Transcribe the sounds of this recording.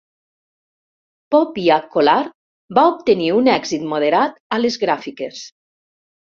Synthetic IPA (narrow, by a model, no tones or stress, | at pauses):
pɔpiakolaɾ | baop̚t̪eniunɛɡzit̪moðeɾat̪alezɣɾafikes